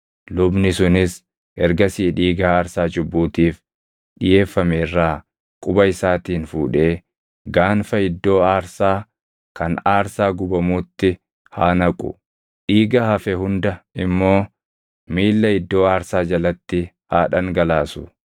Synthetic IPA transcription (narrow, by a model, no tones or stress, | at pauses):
lʊbnɪsʊnɪs | ʔɛɾɡɐsiːᶑiːɡɐaːɾsaːd͡ʒʊbːuːt̪iːf | ᶑɪje̞ːfːɐmeːrːaː | kʼʊbɐɪsaːt̪iːnfuːᶑe̞ː | ɡaːnfɐɪd̪ːo̞ːaːɾsaː | kɐnaːɾsaːɡʊbɐmuːt̪ːɪ | haːnɐkʼʊ̰ | ᶑiːɡɐhɐfɛɦʊnd̪ɐɪmːo̞ː | miːlːɐɪd̪ːo̞ːaːɾsaːd͡ʒɐlɐt̪ːɪ | haːᶑɐŋɡɐlaːsʊ